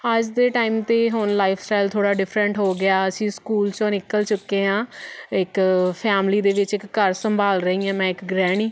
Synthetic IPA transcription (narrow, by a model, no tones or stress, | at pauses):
əd͡ʒd̪eːʈaːiːmt̪eːɦʊnlaːɪpʰsʈaːɪlt̪ʰoːɽaːɖɪfʰɾəɳʈɦoːɡɪjaːəsĩːskuːlt͡ʃõːnɪkəlt͡ʃʊkːeːɦãːɪkpʰɛːmliːd̪eːʋɪt͡ʃɪkːəɾsəmbʱaːlɾəɦiːãːmɛ̃ːɪkɡɾɛːɽ̃iː